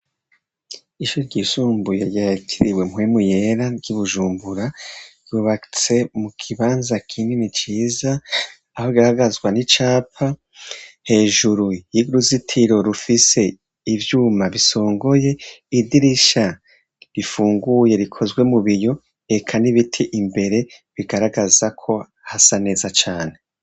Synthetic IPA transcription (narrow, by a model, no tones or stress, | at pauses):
iʃuɾɾɟisuːmbujeɾɟacʰiɾiwe̞mwemuje̞ɾaɟuβuʒuːmbuɾaɾjuːβat͡se̞mukʰiβaːnzakʰiːndimit͡ʃiːzaː | hoɾɡahaɡazɡwanit͡ʃaːpʰa | he̞ːʒuɾujiɡɾuzitʰiɾo̞ɾufise̞ | ivjuːmaβiso̞ːŋɡo̞je̞idiɾiʃa | ɾifuːŋɡuje̞ɾikʰo̞zwe̞muβijo̞ | e̞kʰaniβitʰiʔimbe̞ɾe̞ | βiɡaɾaɡazakʰo̞ | hasane̞ːzat͡ʃaːne̞